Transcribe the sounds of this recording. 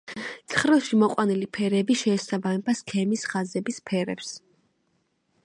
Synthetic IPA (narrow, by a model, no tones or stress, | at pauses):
t̪sʰχɾɛlˠʃimɔqʼwanilipʰɛɾɛbiʃɛːsabamɛbaskʰɛmisχazɛbispʰɛɾɛ̰ps